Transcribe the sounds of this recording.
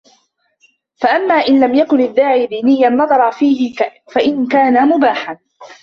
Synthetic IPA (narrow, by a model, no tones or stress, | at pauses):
faʔamːaːʔɪnlamjakʊnɪðːaːʕiːd̪iːnɪjːanːɑd̪ˤɑɾˤɑfiːhɪfaʔɪnkaːnamʊbaːħan